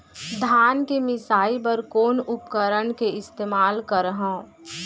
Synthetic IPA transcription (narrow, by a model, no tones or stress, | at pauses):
d̪ʱaːnkemɪsaːipɐɾkoːnʊpkəɾəɳkeɪst̪eːmaːlkəɾɦõː